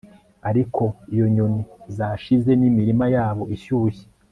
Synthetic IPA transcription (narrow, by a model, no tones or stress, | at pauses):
aɾikʰo̞ijo̞ɲo̞nizaʃize̞nimiɾimajaːβo̞iʃuːçe̥